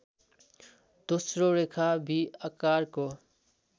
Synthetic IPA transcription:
d̪̥osroɾekʰabiakarko

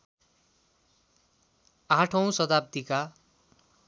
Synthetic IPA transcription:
ãʈʰʌw̃sʌd̪ap̚t̪ika

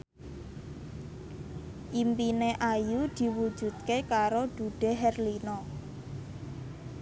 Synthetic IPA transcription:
ʔimpineʔajud̪̥i̤wud̥ʒ̥ṳd̪̚kekaɾod̥uɖ̥e̤ɦɛrlinɔ

